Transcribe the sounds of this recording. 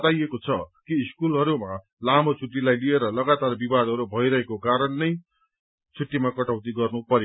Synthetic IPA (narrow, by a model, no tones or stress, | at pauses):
t̪ajekot͡sʰʌkiːskulɦʌɾuma | lamot͡sʰuʈːilajlieɾʌlʌɡat̪arbibad̪ʱʌɾubʱʌjɾʌɦekokaɾʌnːʌj | t͡sʰuʈ̪ːimakʌʈawt̪iɡʌrnupʌɾjo